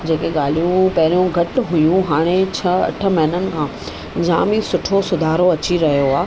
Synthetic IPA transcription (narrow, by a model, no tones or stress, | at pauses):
d͡ʑeːkeɠaːl̤ijũpɐɦɪɾijũɡʱɐʈʊɦʊjũɦaːɽ̃et͡ɕʰɐɐ̰ʈʰə̆mɐɦɪnənɪ̆kʰãː | d͡ʑãːmisʊʈʰosʊd̪ʱaːɾoɐt͡ɕiɾɐɦijoaː